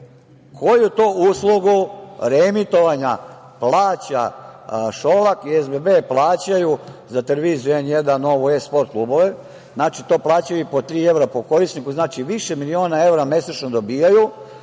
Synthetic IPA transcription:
kʰo̞jut̪oːuːslˠuɡuɾemit̪o̞ʋaɲa | plˠaːt͡ɕa̰ | ʃo̞lˠakiezbebeplˠaːt͡ɕajuzat̪eleʋizujuenje̞d̪anːo̞ʋuespo̞ɾt̪̚klˠuːbo̞ʋe | znaːt͡ʃit̪o̞ːplˠaːt͡ɕajuipo̞t̪ɾiːe̞ʋɾapo̞ko̞ɾisnikuznaːt͡ʃiʋiʃemilio̞ːnae̞ʋɾame̞set͡ʃnod̪o̞biːjaju

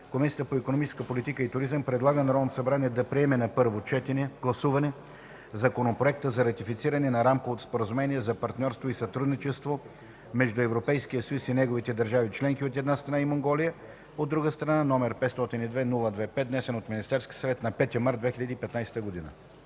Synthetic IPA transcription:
komisʲiət̪əpoikonomit͡ʃɛ̥skəpolit̪ikəit̪ʊɾizəmpɾɛd̪lˠaɡənɐɾɔnɐsɐbɾaniɛd̪ɐpɾiɛmɛnɐpɤɾvot͡ʃɛt̪ɛnɛɡ̥lˠɐsuvɐnɛ | zɐkonopɾoɛk̚t̪əzɐɾɐt̪ifit̪siɾɐnɛnɐɾamkovot̪o̥spoɾəzumɛniɛzɐpɐɾt̪nʲɔɾst̪voisɐt̪ɾud̪nit͡ʃɛst̪vo | mɛʒd̪uɛvɾopɛjskijəsɐjusinɛɡovit̪ɛd̪ɐɾʒavit͡ʃlɛŋkiot̪ɛd̪nast̪ɾɐnaimoŋɡɔlijə | od̪ːɾuɡəst̪ɾɐnanɔmɛɾpɛt̪st̪ɔt̪inid̪vɛnulˠəd̪vɛpɛt̪d̪nɛsɛnot̪minist̪ɛɾskʲi̥sɐvɛt̪nɐpɛt̪iəmaɾd̪vɛxilʲəd̪ipɛt̪najsɛ̥t̪əɡod̪inə̰

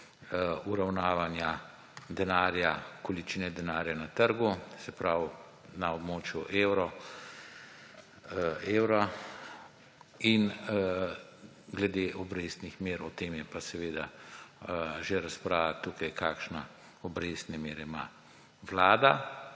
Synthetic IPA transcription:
uɾawnaːʋanja | d̪ɛnaːɾjakɔlit͡ʃinɛd̪ɛnaːɾjanat̪əɾɡusɛpɾaw | naɔbmoːt͡ʃjuʔeːwɾɔ | eːwɾa | in | ɡlɛd̪eʔɔbɾesnixmeːɾɔt̪emjɛpasɛʋeːd̪a | ʒeɾaspɾaːʋat̪ukajkaːkʃna | ɔbɾeːst̪nɛmeːɾɛima̰ | ʋlaːd̪a

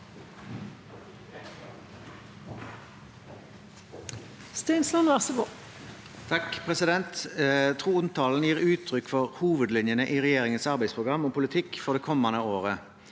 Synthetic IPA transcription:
st̪ɛɪnslɑnʋæʁsəbuː | t̪ʰɑkpʰʁɛsɪd̪ɛnt̪t̪ʰʁuːʊnt̪ɑːln̩jiːʁʉːt̪ʰʁʏkfɔʁhuːʋəd̪lɪnjənəʔiːʁɛjeːʁɪŋənsɑʁbæɪspʰʁʊɡʁɑmɔːpʰʊlɪt̪ʰɪkːfɔʁd̪eːkʰɔmːɑnəoːʁə

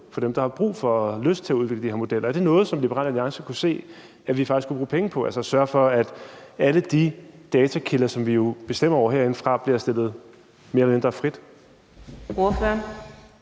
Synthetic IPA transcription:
fɒ̽d̥emd̥ɑ̈hɑ̈b̥ʁṵːfɒ̽løsd̥̚t͡sʰe̝æuðˠeɡ̥ləd̥iheɐmo̝d̥el̰ɐæɐde̝nɔ̽ːð̞̩ˠsɒ̽mlib̥eʁɑ̰ːlæliɑ̈ŋsɐkʰuse̝̰ː | æʋifɑɡ̥isɡkʰub̥ʁṵːpʰeŋəpʰɒ̽ælsəsɶɐfɒ̽æd̥æləd̥id̥ɛːt͡sʰækʰilɐsɒ̽mʋijo̝b̥e̝sd̥em̰ɐɒʊɐɦeɐ̰e̝nfʁɑ̈b̥liɐsd̥e̝l̰ð̞̩ˠ | me̝ɐlɒme̝nd̥ʁɐfʁid̥ | oføɐn

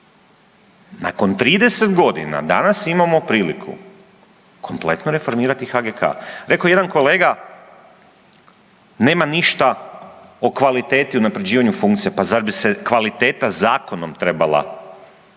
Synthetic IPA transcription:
na̰ko̞nt̪ɾiːd̪e̞se̞t̪ɡo̞d̪ḭna̰d̪a̰nasimamo̞pɾiːlikʰṵ | kʰo̞mple̞̰t̪noɾe̞fo̞ɾmiːɾat̪ixaɡekʰa̰ɾe̞koje̞d̪anko̞le̞ːɡa | ne̞ːmaniʃt̪a | o̞kʋalit̪e̞ːt̪iunapɾe̞d͡ʑiːʋaɲufuŋkt̪sijepazad̪bisekʋalit̪e̞ːt̪azaːko̞nomt̪ɾe̞balˠa̰

